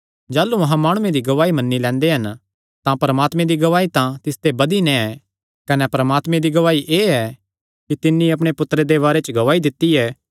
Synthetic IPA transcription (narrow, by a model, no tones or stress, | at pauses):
d͡ʒaːlːuɐɦãmaːɽ̃ʊ̃ẽd̪iɡɐʋaːimɐnːilɛ̃ːnd̪eɦɐn | t̪ãpɐɾəmaːt̪mẽd̪iɡɐʋaːit̪ãt̪ɪst̪ebɐd̪inɛ̃ɛ | kɐnɛpɐɾɐmaːt̪mẽd̪iɡɐʋaːiʔeːɛ | kit̪ɪnːĩɐp̬ɽ̃epʊt̪ːɾed̪eβaːɾet͡ʃəɡɐʋaːid̪ɪt̪ːiɛː